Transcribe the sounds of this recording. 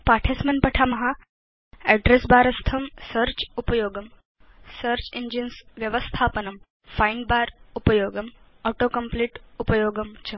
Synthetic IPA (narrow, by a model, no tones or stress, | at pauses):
paːʈʰesmɐnpɐʈʰamɐɦa | ɛɖɾesbaːɾɐst̪ʰɐmsəɾt͡ʃupɐjoːɡɐm | səɾt͡ʃiɲd͡ʒinsʋjɐʋəst̪ʰaːpɐnɐm | fajɳɖ̚baːɾupɐjoːɡɐm | ɔːʈoːkɐmpliːʈupɐjoːɡɐmt͡ʃʰɐ